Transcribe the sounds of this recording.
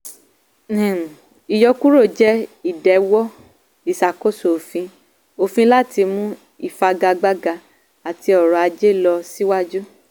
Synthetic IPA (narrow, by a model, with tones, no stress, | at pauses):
i˨jɔ˧ku˦ɾo˦˨d͡ʒɛ˦i˨dɛ˨˦wɔ˦ | i˦˨sa˨ko˦so˨o˨fĩ˧ | o˨fĩ˧˦la˦˨ti˧mũ˦ | i˦˨fa˧ɡa˧ɡ͡ba˧ɡa˧ | a˨ti˧ɔ˨ɾɔ˨a˧d͡ʒe˦˨lɔ˧si˦wa˦d͡ʒu˦